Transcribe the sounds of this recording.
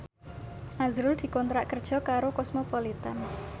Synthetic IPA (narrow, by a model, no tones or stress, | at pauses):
ʔazɾʊld̪̥i̤kɔnt̪ɾaʔkərd̥ʒ̥ɔ̤kaɾokɔsmopɔlit̪an